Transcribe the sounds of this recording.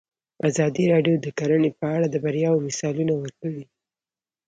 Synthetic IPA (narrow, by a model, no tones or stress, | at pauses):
azɑd̪iɾɑɖjod̪əkaɾənepəaɽad̪əbaɾjɑwomɪsɑlunawəɾkəɽi